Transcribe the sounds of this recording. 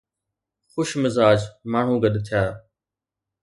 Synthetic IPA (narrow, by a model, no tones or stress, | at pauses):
xʊʃmɪzaːd͡ʒmaːɳ̤ũːɡəɗt̪ʰɪjaː